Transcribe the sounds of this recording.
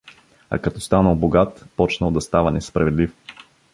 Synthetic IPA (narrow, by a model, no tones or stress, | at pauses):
a̰kɐt̪ɔst̪anəlˠboɡat̪pɔt͡ʃnəlˠd̪ɐst̪avənɛspɾɐvɛd̪lif